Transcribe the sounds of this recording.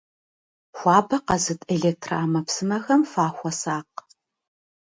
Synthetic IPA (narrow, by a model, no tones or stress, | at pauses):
xʷɑːbɐqɐzɨtʰʼeɮeːk̚tʰraːmɐpsɨmɐxɐmfaːxʷɔsaːq